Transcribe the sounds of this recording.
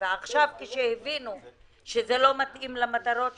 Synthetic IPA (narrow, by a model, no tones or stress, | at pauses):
eaχʃavkeʃejevinu | ʃezelo̞mat̪ʔimlamat̪aɾo̞t